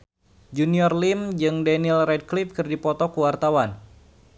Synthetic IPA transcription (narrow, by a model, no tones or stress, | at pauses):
d͡ʒuniɔrlimd͡ʒɨŋdanilrɛd̚klifkɨrdipɔt̪ɔkuwart̪awan